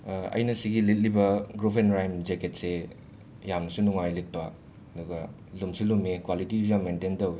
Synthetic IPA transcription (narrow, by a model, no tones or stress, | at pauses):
ɐ̰jnɐsiɡilit̬̚libɐɡɾupʰenɾajmd͡ʒeket̚se | jamnɐsunuŋajlit̚pa | ɐduɡɐ | lumsilumekwalitizaŋmententowe